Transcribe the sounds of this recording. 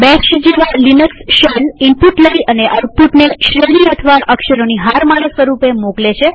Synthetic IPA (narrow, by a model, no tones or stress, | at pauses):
bɛʃd͡ʒeʋalinəksʃənimpuʈləiʔəneʔəɾpuʈneʃɾeʋniət̪ʰəʋaʔəkʃəɾoniɦaɾmaɭəsʋəɾupemoklet͡ʃʰe